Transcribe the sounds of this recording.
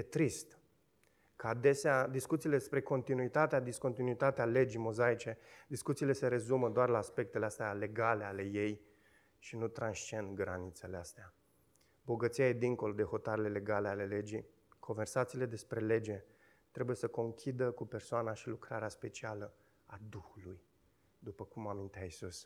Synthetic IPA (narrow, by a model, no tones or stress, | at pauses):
et̪ɾist̪ | kəad̪e̞sead̪iskut̪siːled̪espɾe̞ko̞nt̪inuit̪at̪ead̪isko̞nt̪inuit̪at̪eale̞d͡ʒimo̞zait͡ʃe̞d̪iskut̪sile̞se̞ɾe̞zuməd̪oarlaːspe̞k̚t̪eleast̪eale̞ɡale̞ale̞je̞j | ʃinut̪ɾanst͡ʃie̞nd̪ɡɾa̰nit̪se̞least̪ea | bo̞ɡət̪siaje̞d̪iŋko̞lo̞d̪e̞ho̞t̪aɾe̞le̞le̞ɡale̞ale̞le̞d͡ʒi | kʰo̞nve̞rsat̪siːle̞d̪e̞spɾe̞le̞d͡ʒe̞ | t̪ɾe̞buje̞səko̞ŋkʲʰid̪əkupe̞rsoanaʃilukɾaɾeaspe̞t͡ʃialə | ad̪uxuluj | d̪upəkumamint̪eaisus